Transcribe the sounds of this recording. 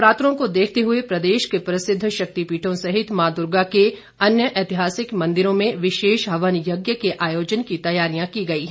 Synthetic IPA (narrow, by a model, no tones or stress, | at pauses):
pɾaːt̪ɾõkod̪eːkʰt̪eɦʊepɾɐd̪eːʃkepɾɐsɪd̪ʱːʃɐk̚t̪ipiːʈʰõsɐɦɪt̪maːd̪ʊɾɡake | ɐnjəʔɛːt̪ɪɦaːsɪkmɐ̃nd̪ɪɾõmẽʋɪʃeːʃɦɐʋənjɐɡjəkeʔaːjoːd͡ʒənkit̪ɐjaːɾijãkiɡɐiː